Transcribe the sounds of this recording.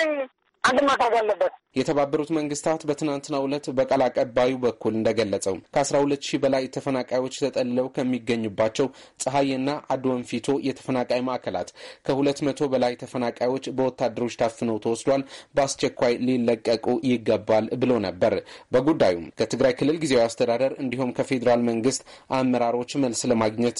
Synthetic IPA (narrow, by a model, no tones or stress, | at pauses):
and̪ɨmat̪aɡalːəbːət̪jɛt̪ʰəβabːəɾut̪məŋɡɨst̪ʰat̪bət̪ʰɨnant̪ɨnːaulət̪bəkʼəlakʼəbːajibəkʰːulɨnd̪əɡəlːət͡sʼəwkʰəasɾahulət̪ːʃibəlajt̪ʰəfənakʼajwo̞t͡ʃːt̪ʰət̪ʼəlːɨləwkʰəmːiɡːəɲːubːat͡ʃːɛw | sʼɨɦajɨnːaʔad̪wonfit̪ʰo̞jɛt̪ʰə̥fənakʼajimaʔkʰəla̰t̪kʰəhulət̪ːmət̪ʰo̞bəlajt̪ʰəfənakʼajwo̞t͡ʃːbəwɔt̪ːad̪ːəɾo̞t͡ʃːt̪ʰaffɨnəwt̪ʰəwɔsd̪walbast͡ʃɛkʷːajlilːəkʼːəkʼujɪɡːəbːalbɨlonəbːəɾbəɡud̪ːajumkʰət̪ʰɨɡɾajkʰɨlːɨlɡizewast̪ʰəd̪ad̪əɾɨnd̪ihumkʰəfe̞d̪əɾalməŋɡɨst̪ʔamːəɾaɾo̞t͡ʃːməlsləmaɡɲɛt̪